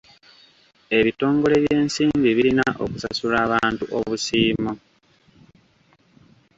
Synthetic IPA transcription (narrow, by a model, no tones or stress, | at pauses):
e̞βito̞ːŋɡo̞le̞βje̞ːnsiːmbiβilinaʔo̞̰kusa̰sulaːβaːntuʔo̞̰βusiːmo